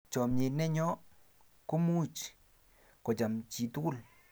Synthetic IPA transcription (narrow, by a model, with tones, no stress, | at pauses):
t͡ʃɔ˨mɲe˨nɛ˦ɲɔ˦ | ko˦mu˦t͡ʃ | kɔ˨t͡ʃa˨mt͡ʃi˨t̪u˦ɡʊ˦˨l